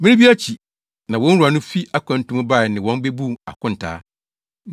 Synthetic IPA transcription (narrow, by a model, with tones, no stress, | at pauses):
mɪ̃˦nɪ̃˦bi˦a˦t͡ɕʰi˨ | nã˨wɔ̃˦n̩˦u˨a˨nʊ̃˦fi˦ʔa˦kʷʰã˨n˦tũ˦m˦ba˦˨nɪ̃˨wɔ̃˦n˦be˦bũ˦˨a̰˨kʰʊ̃˦n̩˨tʰa̰ː˦